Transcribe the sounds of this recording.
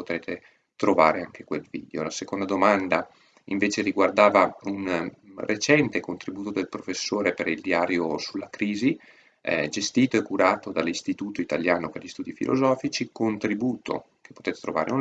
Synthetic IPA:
pot̪ɾeːt̪e | t̪ɾova̰ːɾeaŋk̟ekwelvḭːd̪eo̰lasekond̪ad̪omand̪a | iɱveːt͡ʃeɾiɡward̪aːvaun | ret͡ʃɛnt̪ekont̪ɾibuːt̪od̪elpɾofesːoːɾepeɾild̪iaːɾjosulːakɾiːzi | ɛd͡ʒest̪iːt̪oɛkːuɾaːt̪od̪alːist̪it̪uːt̪oit̪aljaːnoperʎist̪uːd̪ifḭlʔo̰zɔːfit͡ʃikont̪ɾibuːt̪o̰ | ke̥pːo̥t̪eːt̪e̥t̪ɾova̰ːɾḛu

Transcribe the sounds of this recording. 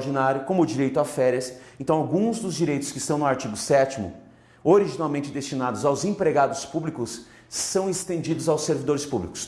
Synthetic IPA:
ɾd͡ʒinaɾjʊkõmʊd͡ʒiɾejt̪ʊafɛɾiɐsẽnt̪ɐ̃w̃awɡũzd̪ʊzd͡ʒiɾejt̪ʊ̥skɪist̪ɐ̃w̃nʊaɾt͡ʃiɡʊsɛt͡ʃimʊ̰ | oɾiʒinawmẽnt͡ʃɪd̪est͡ʃinad̪ʊzawzẽpɾeɡad̪ʊspublikʊsː | ɐ̃w̃est̪ẽnd͡ʒid̪ʊzawseɾvid̪oɾɪspublikʊ̥s

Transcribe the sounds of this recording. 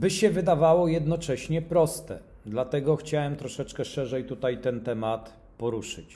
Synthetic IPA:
bɘɕɛvɘd̪avawɔjɛd̪nɔt͡ʂɛɕɲɛpɾɔst̪ɛ̰ | d̪lat̪ɛɡɔxt͡ɕawɛmt̪ɾɔʂɛt͡ʂkɛʂɛʐɛjt̪ut̪ajt̪ɛnt̪ɛmat̪ | pɔɾuʂɘt͡ɕ

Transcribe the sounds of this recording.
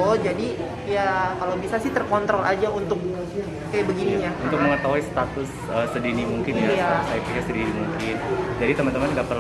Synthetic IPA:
od͡ʒadi | jakalawbisasɪt̪ərkɔnt̪ɾɔlʔad͡ʒaunt̪ʊk̚ku | kajabəɡiniɲaunt̪ʊk̚məŋət̪aɦuisə̥t̪at̪ʊs | əsədinimuŋkɪnjajasaipiɲasədinimuŋkɪnd͡ʒadit̪əmant̪əmanŋɡapər

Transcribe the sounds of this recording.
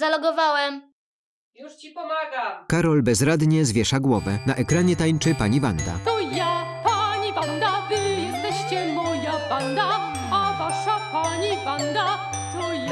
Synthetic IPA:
zalɔɡɔvawɛm | juiɔɡakaɾɔlbɛzɾad̪ɲɛzvʲjɛʂaɡwɔvɛnaʔɛkɾaɲɛt̪ajt͡ʂɘpaɲiva̰nd̪a̰t̪ɔjapaɲivand̪avɘjɛst̪ɛɕt͡ɕɛmɔjaband̪a | avaʂapaɲivand̪a | t̪ɔj

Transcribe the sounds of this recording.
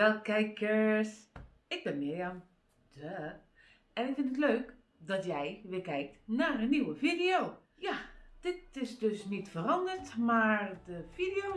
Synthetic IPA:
ʋɛlˠkɛjkʰəs | ɪɡ̚bɪnmɪɹjam | d̥ə | ɛnɪkfɪntətløːk | dɔtjɛjʋɪkɛjk̚tnaːrənːiwəfidioː | jad̥ɪtɪsdøsnitfərɑndərtmaɹdəfidio

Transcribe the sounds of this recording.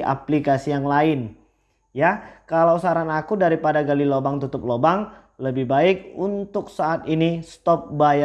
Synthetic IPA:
ʔa̰plikasijaŋlaɪn | jakalawsaɾanakudaɾipadaɡalilobaŋt̪ut̪ʊp̚lobaŋ | ləbɪhbaɪk̚unt̪ʊk̚saːt̪inist̪ɔp̚baja

